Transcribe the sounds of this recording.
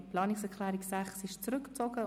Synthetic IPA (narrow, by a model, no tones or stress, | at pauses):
pʰlɑːnɪksɛkʰlɛːɾɪksæχsɪʃt͡sɾʏkt͡sɔɡə